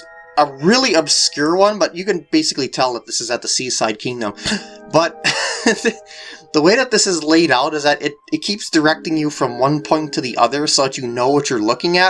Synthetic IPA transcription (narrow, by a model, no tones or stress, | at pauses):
əɹɪlˠiɨb̥skj̥ʊɹwʌ̃nbʌt͡ʃɨkɨ̃nbeɪsɨ̥klitʰɛlˠðət̪̚ðɪsɨzɨt̪̚ðəsisaɪd̚kʰɪ̃ŋdɨ̃mb̥ʌt̪̚ððəweɪðɨt̪̚ðɪsɨzleɪɾaʊɾɨzðɨɾʔɪɾɨt̚kʰipsd̥ə˞ɛk̚tɪ̃ŋjɨfɹʌ̃mwʌ̃npʰɔ̃ɪ̃ntʰɨðiʔʌ̰ðə˞soʊðɨt͡ʃɨnoʊwʌt͡ʃə˞lʊkɪ̃ŋɨ